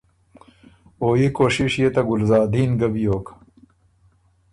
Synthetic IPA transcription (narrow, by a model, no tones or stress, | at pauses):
oːjekoːɕiʂjet̪ɐɡʊlzaːd̪iːnɡɐbijoːk